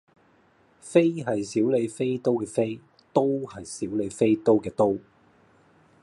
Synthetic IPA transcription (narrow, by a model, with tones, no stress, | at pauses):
fe˥jɦɐ˨jsiː˨˥wle˨˧jfe˥jt̪o˥wkɛː˧fe˥j | t̪o˥whɐ˨jsiː˨˥wle˨˧jfe˥jt̪o˥wkɛː˧t̪o˥w